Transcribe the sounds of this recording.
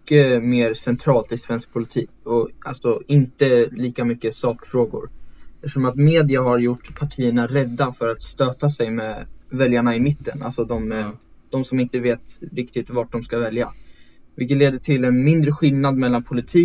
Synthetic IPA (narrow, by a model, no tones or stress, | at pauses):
kːəmeːɾsɛnt̪ʰɾɑːlt̪ɪsvɛnsk̚pʰʊlɪt̪ʰiːkɔalsɔɪnt̪əliːkamʏkːəsɑːkfɾoːɡʊ̰ɾɛʂɔmat̪meːd̪ɪaɦaɾjʊʈːpʰaʈʰiːəɳaɾɛd̪ːafœɾat̪st̪øːt̪asɛjmeːvɛljaɳaɪmɪt̪ːəna̰lsɔd̪ɔmd̪̥ɔmsɔmɪnt̪əveːt̪ɾɪkt̪ɪt̪vaʈ̚ɖɔmskavɛlja̰vɪlkət̪leːd̪əʈʰɪlɛnmɪnd̪ɾəɧɪlnad̪mɛlːanpʰʊlɪt̪ʰiː